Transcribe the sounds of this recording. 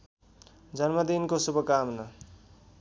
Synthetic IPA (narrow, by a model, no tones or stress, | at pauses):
d͡zʌnmʌd̪inkosubʌkamnʌ